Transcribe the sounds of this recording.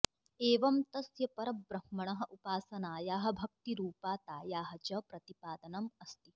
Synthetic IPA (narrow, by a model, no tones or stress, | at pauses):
eːʋɐmt̪ɐsjɐpɐɾɐbbɾɐmmɐɳɐɦɐ̆ʔupaːsɐnaːjaːɦɐ̆bʱɐk̚t̪iɾuːpaːt̪aːjaːɦɐ̆t͡ʃɐpɾɐt̪ipaːd̪ɐnɐmɐst̪i